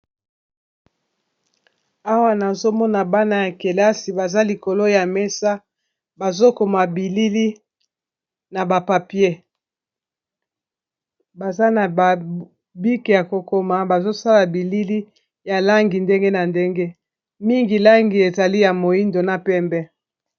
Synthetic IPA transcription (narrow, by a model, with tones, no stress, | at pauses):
a˦wa˦na˨zo˦mɔ˦na˨ba˦na˨ja˨ke˨la˦si˨ba˨za˦li˨ko˨lo˦ja˨mɛ˦sa˦ | ba˨zo˦ko˨ma˨bi˨li˦li˦ | na˨ba˨pa˨pje˦ | ba˨za˦na˨ba˨ | bi˦ke˨ja˨ko˨ko˦ma˨ba˨zo˦sa˦la˨bi˨li˦li˦ | ja˨la˦ŋɡi˨nde˦ŋɡe˦na˨nde˦ŋɡe˦ | mi˦ŋɡi˨la˦ŋɡi˨e˨za˨li˦ja˨mo˨i˦ndo˨na˨pɛ˦mbɛ˦